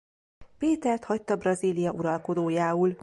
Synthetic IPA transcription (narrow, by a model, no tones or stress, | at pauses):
peːt̪ɛrt̪hɒc̚t̪ːɒbrɒziːlijɒʔuɾɒlko̞d̪oːjaːul